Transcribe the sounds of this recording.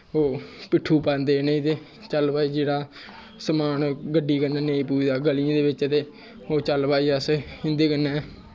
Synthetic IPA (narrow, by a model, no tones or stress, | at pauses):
oːpɪʈʰːuːpãːnd̪eːneĩːt̪eː | t͡ʃəlpaːiːd͡ʒeːɽaː | səmaːnɡəɖiːkənaːneːĩːpuːiːd̪aːɡəliãːd̪eːʋɪt͡ʃət̪eː | oːt͡ʃəlpaːiːəsɪnd̪eːkənːɛː